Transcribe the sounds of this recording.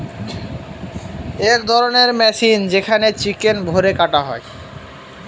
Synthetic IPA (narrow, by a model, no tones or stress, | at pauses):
ekd̪ʱɔɾoneɾmɛʃind͡ʑekʰanet͡ɕikenbʱoɾekaʈaɦɔ̰e